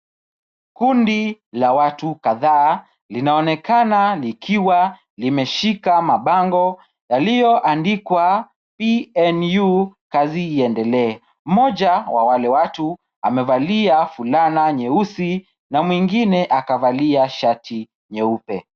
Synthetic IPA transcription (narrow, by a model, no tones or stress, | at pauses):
kundilawatukaðaː | linaɔnɛkanalikʰiwa | limɛʃikamaɓaŋɡɔ | jaliɔʔandikwa | piɛnjukaziːɛndɛlɛː | m̩mɔʄawa̰walɛwatu | a̰mɛvaliafulanaɲɛusi | namwiŋɡinɛʔakavaliaʃatʰi | ɲɛupɛ̰